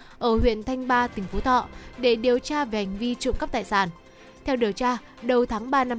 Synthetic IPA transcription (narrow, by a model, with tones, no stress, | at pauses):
ʔəː˧˩hwḭ˧˨ənt̪ʰa˧jŋ̟ɓaː˧t̪ï˨˩ŋ̟fo˨˦t̪ʰɔ̰˧˨ɗe˧˩ɗi˨˩əwt͡ɕaː˧ve˧˨˩ha˨˩jŋ̟vi˧t͡ɕɨ̰˧˨ŋ͡mka˦˥p̚t̪a̰ː˧˨jsaː˧˩n | t̪ʰɛ˧wɗi˨˩əwt͡ɕaː˧ | ɗə˨˩wt̪ʰaː˨˦ŋɓaː˧na˧